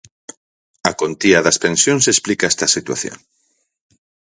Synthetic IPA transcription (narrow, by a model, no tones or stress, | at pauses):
ɐkont̪iɐðɐspẽnsjonsesplikaɛst̪ɐsit̪wa̰θjo̰ŋ